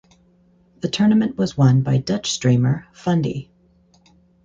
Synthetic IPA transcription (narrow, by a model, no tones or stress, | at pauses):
ðɨtʰɜ˞nɨmɨ̃nʔwʌzwʌ̃nbaɪdʌt͡ʃstɹ̥ĩɪ̃mə˞fʌ̃ndḭ